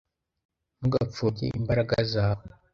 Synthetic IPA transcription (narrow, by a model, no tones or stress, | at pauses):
muɡap͡fokḛʔimbaɾaɡazaːwo